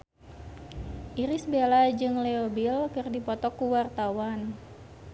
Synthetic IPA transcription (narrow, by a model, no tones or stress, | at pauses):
ʔiɾisbelad͡ʒɨŋleobilkɨrdipɔt̪ɔkuwart̪awan